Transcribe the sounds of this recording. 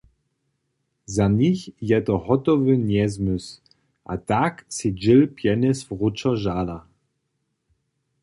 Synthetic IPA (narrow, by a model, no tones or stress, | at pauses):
zaɲixjɛt̪ɔɦɔt̪ɔvɨnjɛzmʏs | ʔa̰t̪aksid͡ʒɪlpjɛnɛsfʁut͡ʃɔʒala